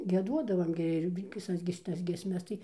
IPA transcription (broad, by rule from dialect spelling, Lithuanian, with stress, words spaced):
ɡʲiɛˈduɔdɐʋɐm ɡʲɪ ɪr ʋʲɪˈsɐs ɡʲɪ ʃʲɪˈtɐs ɡʲiɛsʲˈmʲɛs tɐɪ